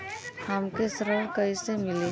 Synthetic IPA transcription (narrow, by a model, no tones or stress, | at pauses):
hamkesɾəɽkəisemɪli